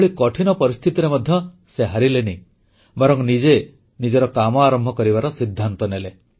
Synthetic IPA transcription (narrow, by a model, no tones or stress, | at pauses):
ɭikɔʈʰinɔpɔɾist̪ʰit̪iɾemɔd̪ʱjɔ | seɦaɾileni | bɔɾɔŋnid͡ʒe | nid͡ʒɔɾɔkamɔaɾɔmbʱɔkɔɾibaɾɔsid̪ʱːant̪ɔnele